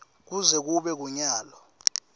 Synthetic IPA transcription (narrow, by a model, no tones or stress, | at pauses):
k̬uzɛk̬uɓɛk̬uɲaːlɔ